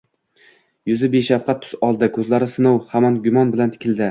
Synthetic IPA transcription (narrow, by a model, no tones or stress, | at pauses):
jʊzɪbeʃafqʰɑt̪ʰːʊ̥sɒlˠd̪ɪkʰɵzlaɾɪsɪnɒwhamanɡʲʊmɒnbɪlant̪ʰɪ̥kʲʰɪlʲd̪ɪ